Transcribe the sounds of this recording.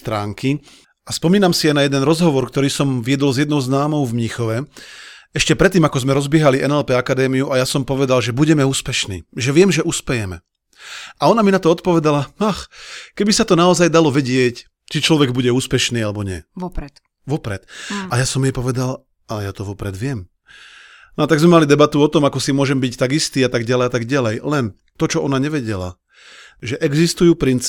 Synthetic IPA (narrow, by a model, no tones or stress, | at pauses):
st̪ɾaːŋkʰi | aspɔmiːnamsiajnajɛd̪ɛnɾɔzɦɔʋɔɾkt̪ɔɾiːsɔmʋɪɛd̪ɔlzjɛd̪nɔʊznaːmɔʊvmɲixɔʋɛ | ɛʃcɛpɾɛt̪ːiːmakɔzmɛɾɔzbɪɛɦaliʔɛnɛlpɛakad̪ɛːmiuʔajasɔmpɔʋɛd̪alʒɛbuɟɛmɛuːspɛʃnḭːʒɛʋɪɛmʒɛʔuspɛjɛmɛ | ʔaɔnaminat̪ɔɔt̪pɔʋɛd̪alamaxkɛbisat̪ɔnaɔzajd̪alɔʋɛɟɪɛc | t͡ʃit͡ʃlɔʋɛɡbuɟɛuːspɛʃniːalɛbɔɲɪɛ̰ɾɛt̪ | ʋɔpɾɛt̪ajasɔmjɛpɔʋɛd̪al | alɛjat̪ɔʋɔpɾɛd̪ʋɪɛm | nat̪aɡzmɛmalid̪ɛbat̪uɔt̪ɔmakɔsimʊɔʒɛmbict̪aɡist̪iːat̪aɡɟalɛjat̪aɡɟalɛjlɛn | t̪ɔt͡ʃɔɔnaɲɛʋɛɟɛla̰ | ʒɛʔɛɡzist̪ujuːpɾint͡s